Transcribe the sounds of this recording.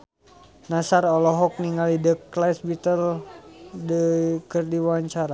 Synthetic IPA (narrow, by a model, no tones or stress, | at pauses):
nasarɔlɔɦɔk̚niŋɡalidəklasbit̪əl | dəkərdiwaɲt͡ʃaɾa